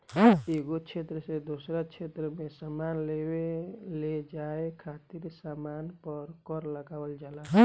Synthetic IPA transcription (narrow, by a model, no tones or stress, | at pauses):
eɡot͡ʃʰet̪ɾəsed̪osɾat͡ʃʰet̪ɾəmẽsamanleweled͡ʒaekʰat̪iɾsamanpəɾkɔɾləɡaːwəld͡ʒala